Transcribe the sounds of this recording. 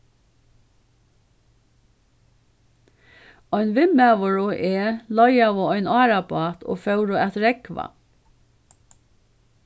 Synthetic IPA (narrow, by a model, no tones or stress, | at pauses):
ɔʏnʋɪmæʋʊɹʊʔeːlɔjɑʋoːɔʏnɑːɾɑbɑːt̪ʰo̰ːfœʉɹʊɛt̪ɾɛkʋɑ̰